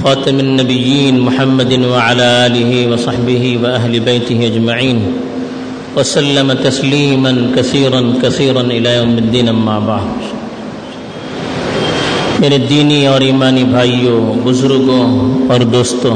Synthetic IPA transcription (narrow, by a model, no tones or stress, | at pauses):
xaːt̪ɪmanːɐbɪjːiːnmʊħamːɐd̪ɪnwaʕalaːʔaːlɪɦiwɑsˤɑħbɪɦiwaʔaɦlɪbejt̪ɪɦiad͡ʒmaʕiːn | wɐsalːamat̪ɐsliːmankɐθiːɾankɐθiːɾanʔɪlaːjaːmɪd̪ːiːnʔamːaːbaʕd̪ | meɾed̪ːiːniɔːɾiːmaːnibʱaːjːobʊzʊɾɡoɔːɾd̪oːst̪o